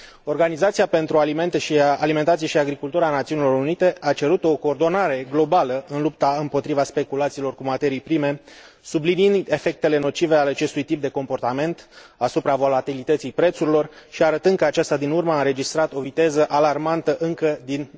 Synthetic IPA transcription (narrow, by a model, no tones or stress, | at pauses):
o̞rɡanizat̪siape̞nt̪ɾualime̞nt̪eʃialiment̪at̪sijeʃiaɡɾikult̪uɾəaːnat̪siunilo̞ɾunit̪e̞ʔat͡ʃe̞ɾut̪o̞ko̞ːrd̪o̞naɾe̞ɡlo̞baləɨnlup̚t̪aɨmpo̞t̪ɾivaspe̞kulat̪siːlo̞rkumat̪e̞ɾijpɾime̞ | subliniind̪e̞fe̞k̚t̪e̞le̞no̞t͡ʃive̞aleat͡ʃe̞st̪ujt̪ip̚d̪e̞ko̞mpo̞rt̪ame̞nt̪asupɾavo̞lat̪ilit̪ət̪sijpɾe̞t̪suɾilo̞rʃiaɾət̪ɨnd̪kəat͡ʃast̪ad̪inurməaɨnɾe̞d͡ʒist̪ɾat̪o̞vit̪e̞zəʔalarmant̪əʔɨŋkəd̪in